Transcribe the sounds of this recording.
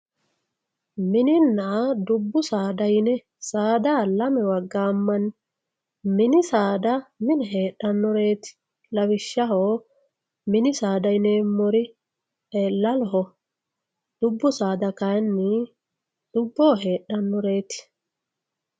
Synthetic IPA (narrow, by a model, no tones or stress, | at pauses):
mɪnɪnːad̪ʊbːʊsaːd̪ɐjnɛ | saːd̪aːlɐmɛwɐɡːaːmːɐn | mɪnɪsaːd̪ɐmɪnɛɦe̞ːɗːɐnːɔɾe̞ːt̪ɪ̥ | lɐwɪʃːɐɦoː | mɪnɪsaːd̪ɐjneːmɔɾɪ | elɐlɔɦɔ | d̪̥ʊbːʊsaːd̪ɐkɐjnːɪ | d̪̥ʊbːoːɦe̞ːɗːɐnːɔɾe̞ːt̪ɪ̥